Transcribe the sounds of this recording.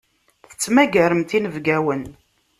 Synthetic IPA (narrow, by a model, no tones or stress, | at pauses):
θə̥t͡sːmæɡæɾəmt̪inəvɡæwən